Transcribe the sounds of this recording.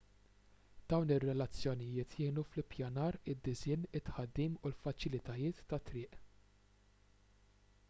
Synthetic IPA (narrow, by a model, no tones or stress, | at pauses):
d̪̥ɐwnɪrːɛlɐt͡sːjɔnɪjɪːt̪jɪːnuflɪpjɐnɐːɾɪd̪ːɪzɪːnɪt̪ħɐd̪ːiːmulfɐt͡ʃɪlɪt̪ɐjɪːt̪ːɐt̪ːɾɪːʔ